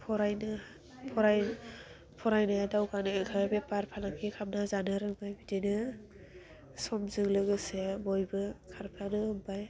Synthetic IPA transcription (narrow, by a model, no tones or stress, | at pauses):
pʰɔɾajnɯ | pʰɔɾaj | pʰɔɾajnaadawkʰanɯkʰabepaɾpʰalakʰikʰap̚nazanɯɾɯŋbajbidinɯ | sɔmzɯŋlɯɡɯsebojbɯkʰaɾpʰanɯɯŋbaj